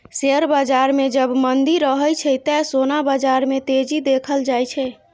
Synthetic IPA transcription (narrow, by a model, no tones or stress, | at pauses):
seəɾbəd͡ʒaɾmed͡ʒəbmənd̪iɾəɦəjt͡ʃʰɛt̪ɛsonabəd͡ʒaɾmet̪ed͡ʒid̪ekʰəld͡ʒajt͡ʃʰɛ